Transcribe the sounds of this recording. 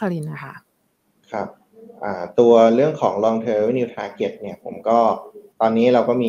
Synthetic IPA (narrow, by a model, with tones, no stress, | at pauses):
a˧li˧nːa˧˩kʰa˦˥ | kʰɾa˦˩p̚ | ʔaː˨˩t̪u˧ɐɾɯ˥˩əŋkʰɔː˩˦ŋlɔː˧ŋt̪ʰɤː˧wniː˧wt̪ʰaː˧ke˨˩t̪̚ni˥˩ɐpʰo˩˦mkɔː˥˩t̪ɔː˧nːiː˦˥ɾa˧wkɔː˥˩miː˧